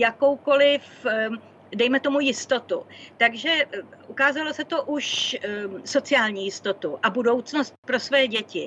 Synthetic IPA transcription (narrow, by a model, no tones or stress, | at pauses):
jako̞wko̞lɪf | dɛjmɛt̪o̞mujɪst̪o̞t̪ṵt̪aɡʒɛʔukaːzalo̞sɛt̪o̞ʔuʃ | so̞t͡sɪaːlɲiːjɪst̪o̞t̪uʔabudo̞wt͡snost̪̚pɾo̞svojɛɟɛcɪ